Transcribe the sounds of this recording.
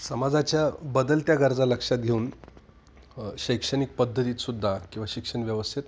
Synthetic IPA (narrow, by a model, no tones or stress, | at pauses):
səmad͡zat͡ɕjabəd̪əlt̪jaɡəɾd͡zaləkʂat̪̚ɡʱeuːn | ɕəjkʂəñik̚pəd̪ʱːət̪iːt̪sud̪ʱːakĩw̃ʋaɕikʂəɳʋjəʋəst̪ʰit̪̚